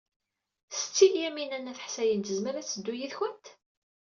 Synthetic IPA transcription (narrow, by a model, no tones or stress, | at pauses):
sə̥t͡sːiljæminænːæθə̥ħsæjənt̪əzməɾæt͡sːəd̪ːujiθçænt̪